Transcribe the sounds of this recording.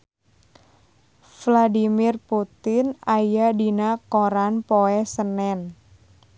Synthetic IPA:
fladimɪrput̪ɪnajadinakoɾanpoɛsənɛn

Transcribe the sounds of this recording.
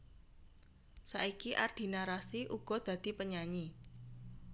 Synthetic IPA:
saikiʔa̰rd̪̥i̤naɾasiʔuɡ̥ɔ̤d̪̥ä̤d̪̥i̤pəɲaɲi

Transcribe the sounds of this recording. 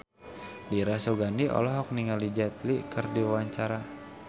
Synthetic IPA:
diɾasoɡaniʔɔ̰lɔɦɔk̚niŋalid͡ʒat̪̚likərdiwwaɲt͡ʃaɾa

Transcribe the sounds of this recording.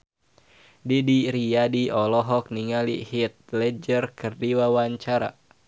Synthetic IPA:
didiɾiadiɔlɔɦɔk̚niŋalihit̪̚lɛd͡ʒərkɨrdiwawaɲt͡ʃaɾa̰

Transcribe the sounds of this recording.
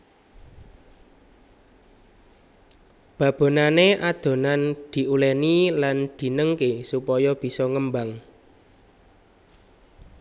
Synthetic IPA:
b̥ä̤b̥o̤naneʔad̪̥o̤nand̪̥i̤ʔulɛniland̪̥i̤nəŋkesupɔjɔb̥i̤sɔŋəmbaŋ

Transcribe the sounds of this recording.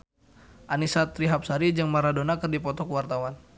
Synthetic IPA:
ʔanisat̪ɾiɦap̚saɾid͡ʒəŋmaɾadonakərdipɔt̪ɔkəwart̪awan

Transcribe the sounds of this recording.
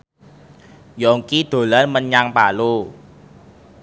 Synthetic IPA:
jɔŋkid̪̥o̤lanməɲaŋpalo

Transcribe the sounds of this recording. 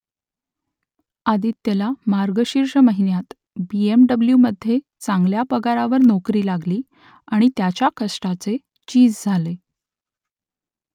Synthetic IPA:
ad̪iːt̪ːelamaɾɡəɕiɾɕəməɦinjat̪ | biemɖəbljuːməd̪ʱːje | t͡saŋɡljapəɡaɾaʋəɾnɔkɾiːlaɡliː | aɽ̃it̪jat͡ɕjakəsʈat͡se | t͡ɕiːd͡zd͡zʱale

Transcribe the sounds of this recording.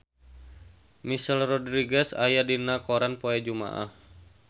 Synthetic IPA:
misalrɔdɾiɡɛsajadinakoɾanpoɛd͡ʒuma̰ʔa̰h

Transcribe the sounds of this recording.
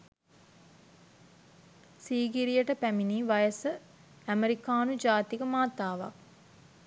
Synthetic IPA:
siːɡiɾijəʈəpæminiːʋajəsə | æmeɾikaːnud͡ʒaːt̪ikəmaːt̪aːʋa̰k̚

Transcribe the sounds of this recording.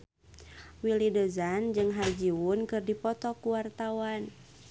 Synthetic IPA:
wilidəzand͡ʒɨŋɦard͡ʒiwunkɨrdipɔt̪ɔkuwart̪awan

